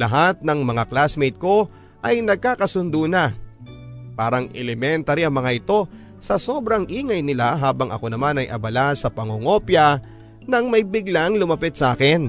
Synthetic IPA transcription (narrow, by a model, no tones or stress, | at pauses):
lɐɦat̪̚nɐŋmɐŋaklasmejt̪̚ko̞ | ʔɐjnɐɡ̚kaːkɐsʊnd̪unɐ | paːɾɐŋɛlɛmɛnt̪ɐɾiɐŋmɐŋaʔɪt̪o̞ | sɐso̞bɾɐŋʔiːŋɐjnɪlaɦaːbɐŋʔɐ̰ko̞nɐmanɐjʔɐ̰bɐlasɐpɐŋoŋo̞pjɐ | nɐŋmɐjbɪɡlaŋlʊmɐpɪt̪̚sɐʔaːkɪn